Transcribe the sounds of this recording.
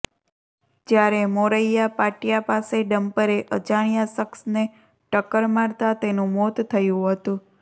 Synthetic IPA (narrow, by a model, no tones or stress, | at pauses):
d͡ʒjaɾemoɾəjapaʈijapaseɖəmpəɾeʔət͡ʃaɽ̃ijasəksne | ʈəkəɾmaɾt̪at̪enũmot̪t̪ʰːəjũɦət̪ũ